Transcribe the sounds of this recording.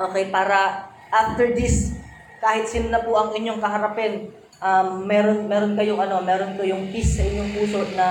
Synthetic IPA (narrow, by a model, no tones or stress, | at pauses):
ʔoːkɛjpaːɾɐ | ʔaft̪ɛɹd̪is | kaːhɪt̪̚sɪnnɐpʊʔɐŋɪɲjo̞ŋkɐɦɐɾɐpɛn | ʔɐmːɛːɾo̞nmɛːɾonkɐjoŋʔɐno̞mɛːɾo̞nkɐjoŋpisːɐʔɪɲːo̞ŋpuːso̞nɐ